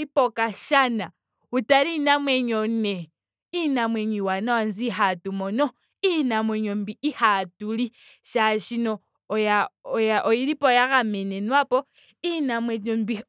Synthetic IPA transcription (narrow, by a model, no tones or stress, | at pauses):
ipokaʃana | utaɾinamweɲone | inamweɲiwanawanziɦatumono | inamweɲombiihatuli | ʃaʃino | jajaʔojiɾipojaɣamenenwapo | inamweɲombi